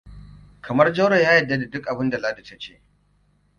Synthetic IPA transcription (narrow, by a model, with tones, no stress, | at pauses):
kʰɐ˨mɐ˦rd͡ʒɐ˦ɽɐ˨jaː˦jɐ˨dːa˦da˨dʊ˦kʼʔa˨bɪ˦nda˨laː˦da˨tɐ˦t͡ʃeː˦ʔ